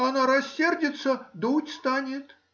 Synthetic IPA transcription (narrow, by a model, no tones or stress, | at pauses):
ɐnaɾɐsʲːerdʲɪt̪səd̪utʲst̪anʲɪt̪